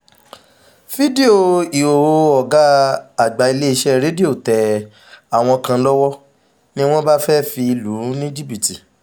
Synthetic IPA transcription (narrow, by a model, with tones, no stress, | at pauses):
fi˦de˦o˨i˨o˨o˧˨ɔ˨ɡa˨˦a˨ɡ͡ba˨i˧le˦i˧ʃɛ˦ɾe˨˦di˦o˦˨tɛ˨ | a˨w̃ɔ̃˧kã˧lɔ˦wɔ˦ | nĩ˦w̃ɔ̃˦ba˦fɛ˦fi˧i˧lu˨˦nĩ˦d͡ʒi˦bi˨ti˨